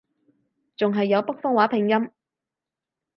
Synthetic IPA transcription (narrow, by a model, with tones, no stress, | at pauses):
t͡sʊ˨ŋɦɐ˨jːɐ˨˧wpɐ˥k̚fɔː˥ŋwaː˨˥pʰɪ˨˩ŋjɐ˥m